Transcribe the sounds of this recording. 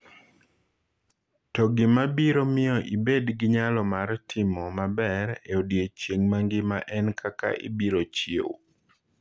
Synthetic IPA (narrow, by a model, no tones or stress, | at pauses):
tɔɡɪmabiɾomɪɔʔibedɡɪɲalɔmartʰɪmɔmabɛɾeodjet͡ʃjeŋmaŋɡɪma̰ʔɛnkʰaka̰ʔḭbiɾot͡ʃjew